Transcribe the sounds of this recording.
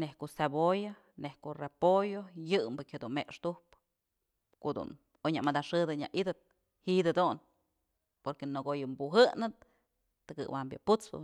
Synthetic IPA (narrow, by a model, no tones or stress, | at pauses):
nehkoʔsaboja | nehkoʔrepojojɨmbɨkʲhed̪unmeʔʂt̪uhp | kod̪ṵn | oɲamad̪aʂɨd̪ɨɲa̰ʔid̪ɨt̪̚ | hid̪ɨd̪un | poɾkenoɡojɨmbuɦɨnɨt̪̚ː | ɨkɨ̰ʔwambja̰put͡spɨ̰